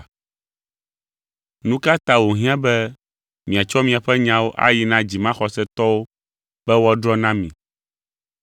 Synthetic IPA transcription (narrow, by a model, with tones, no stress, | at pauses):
nũ˦ka˦t̪ã˦wo˨ɦĩ˦ã˦bɛ˦ | mĩ˨a˨t͡ʃɔ˦mĩ˦a˨ɸɛ˦ɲã˦wo˦ʔa̰˦ji˨nã˦d͡ʑi˨mã˦xɔ˨sɛ˦t̪ɔ˦wo˦ | b̥ɛ˦wɔ˦dɾɔ˦nã˦mḭ̃˨